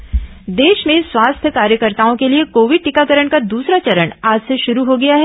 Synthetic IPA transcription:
d̪eːʃmẽswaːst̪ʰjəkaːɾjəkəɾt̪aːõkeliekoːʋɪɖ̚ʈɪkakɐɾəɳkad̪uːsɾat͡ʃɐɾəɳaːd͡ʒseʃʊɾuɦoɡɐjaɦɛː

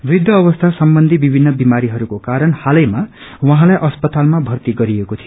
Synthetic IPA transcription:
bid̪ʱjʌːβʌst̪ʰasʌmbʌnd̪ʱibibʱinːʌbimaɾiɦʌɾukokaɾʌnhalʌjmawaɦãlajʔʌspʌt̪almabʱʌrt̪iɡʌɾiekot̪ʰijo

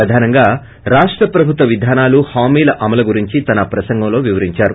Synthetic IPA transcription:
ɾɐd̪ʱaːnɐŋɡaː | ɾaːʂʈɾɐpɾɐbʱut̪ʋɐʋid̪ʱaːnaːluhaːmiːlɐʔɐmɐlɐɡuɾiɲt͡ʃit̪ɐnɐpɾɐsɐŋɡɐmlo̞ːʋiʋɐɾiɲt͡ʃaːɾu

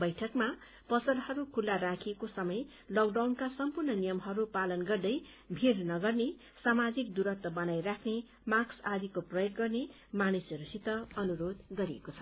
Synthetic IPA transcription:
bʌjʈʰʌkma | pʌsʌɾhʌɾukʰulːaɾakʰiekosʌmʌj | lʌkɖawnkasʌmpurnʌnijʌmɦʌɾupalʌnɡʌrd̪ʌj | bʱirnʌɡʌrne | samad͡zik̚d̪uɾʌt̪wʌbʌnajrakʰne | maksad̪ikoprʌjoɡɡʌrne | manisʌɾusit̪ʌʌnuɾod̪ɡʌɾiḛkot͡sʰʌ̥

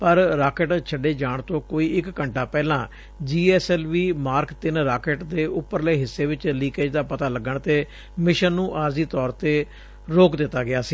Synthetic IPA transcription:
pəɾɾaːkɪʈt͡ʃʰəɖeːd͡ʒaːɳt̪õːkoːiːɪkːəɳʈʰaːpɛːlãː | d͡ʒiːɛːsɛːlʋiːmaːɾkt̪ɪnɾaːkeːʈd̪eːʔʊpːəɾləeːɦɪsːeːʋɪt͡ʃliːkeːd͡ʒd̪aːpət̪aːləɡəɳt̪eː | mɪʃənːũːʔaːɾziːt̪ɔːɾt̪eː | ɾoːkd̪ɪt̪ːaːɡɪaːsiː

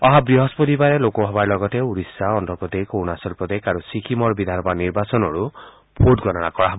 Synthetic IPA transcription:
ɔɦabɾiɦɔspɔt̪ibaɾelokɔɦɔbaɹlɔɡɔteuɾisːaɔnt̪ɔpɔd̪ekownasɔlpɔd̪ekaɾusikʰimɔɹbid̪ʱanɔbaniɹbasɔnɔɹu | pʰodɡɔnɔnakɔaɦbɔ

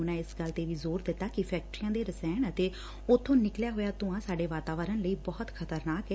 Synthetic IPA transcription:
nãːɪsɡəlt̪eːʋiːzoːɾd̪ɪt̪ːaːkɪpʰɛːk̚ʈɾijãːd̪eːɾəsɛːnət̪eː | ʊt̪ʰːõːnɪkljaːɦoːjaːt̪ʊãːsaːɖeːʋaːt̪aːʋəɾənləiːbɔːət̪kʰət̪əɾnaːkɛː

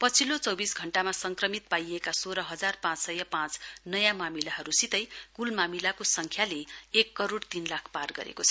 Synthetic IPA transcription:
pʌt͡sʰilot͡sʌwbisɡʱʌɳʈamasʌŋkrʌmit̪̚pajekasoɾʌɦʌd͡zarpãt͡ssʌjʌpãt͡snʌjãmamilaɦʌɾusit̪ʌjkulmamilakosʌŋkʰjaleekːʌɾoɽt̪inlakʰparɡʌ̰ɾḛkot͡sʰʌ̥

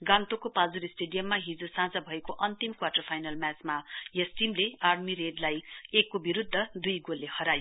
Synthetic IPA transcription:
ɡãnt̪okopad͡zuɾisʈeɖijʌmːaɦid͡zosãd͡zʌbʱʌekoʔʌnt̪imkwaʈʌrpʰajnalmat͡smajʌsʈimlearmiɾeɖlajekːobiɾud̪ʱːʌd̪ujɡolːehʌɾajo

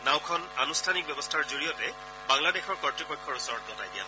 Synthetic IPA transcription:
naw̃kʰɔnanustʰanik̚bɛbɔstʰaɹzoɹijɔtɛ | baŋladɛxʰɔɹkɔɹtɹipɔjkʰːɔɹusɔɹɔt̚ɡɔtajdija̰

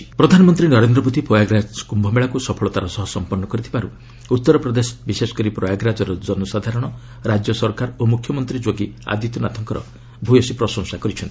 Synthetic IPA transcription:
pɾɔd̪ʱanɔmɔnt̪ɾinɔɾend̪ɾɔbot̪ipɔjaɡɾad͡ʒkumbʱɔmeɭakusɔpʰɔɭɔt̪aɾɔsɔɦɔsɔmpɔɾnɔkɔɾit̪ʰibaɾṵ | ut̪ːɔɾɔpɾɔd̪esɔ̥bisesɔ̥kɔɾipɾɔjaɡɾad͡ʒɔɾɔd͡ʒɔnɔsad̪ʱaɾɔɽ̃ɔ | ɾad͡ʒjɔsɔɾkaɾomukʰjɔmɔnt̪ɾid͡ʒoɡia̰d̪it̪unat̪ʰɔŋkɔɾɔ̰ | bʱujɔsipɾɔsɔŋsakɔɾit͡ʃʰɔnt̪i̥

